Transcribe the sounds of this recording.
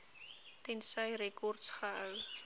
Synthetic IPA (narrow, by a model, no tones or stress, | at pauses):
t̪ɛnsəjrekɔrtsχəəw